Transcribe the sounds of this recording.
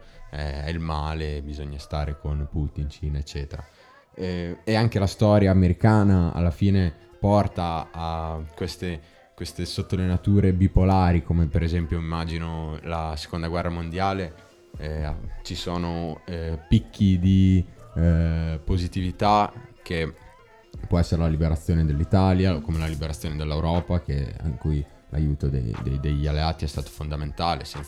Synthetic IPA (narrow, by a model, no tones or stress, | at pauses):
ɛɛilmaːlebizoɲːast̪aːɾekonpuːt̪int͡ʃinet͡ʃːɛːt̪eɾa̰ | ɛeaŋk̟elast̪ɔːɾjaːmeɾikaːnaa̰lːafiːne | pɔrt̪aː | kwest̪e | kwest̪esot̪ːolenat̪uːɾebipolaːɾikomepeɾezɛmpjoimːaːd͡ʒinolase̥kond̪aɡwɛrːamond̪jaːle | a̰t͡ʃisoːno | pikːid̪i | pozit̪ivit̪ak̟e | pwɔɛsːeɾelalibeɾat̪sːjoːned̪elːit̪aːljaokomelalibeɾat̪sːjoːned̪elːewɾɔːpak̟ḛḭŋkuj | la̰juːt̪od̪ḛjd̪ejd̪eʎalːeaːt̪iɛst̪aːt̪o̥fond̪ament̪aːlesɛn